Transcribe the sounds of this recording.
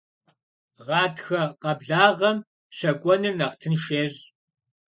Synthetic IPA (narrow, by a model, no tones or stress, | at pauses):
ʁɑːtʰxɐqɐbɮaːʁɐm | ɕɐkʷʼɔnɨrnɐχtʰɨnʃeːʑ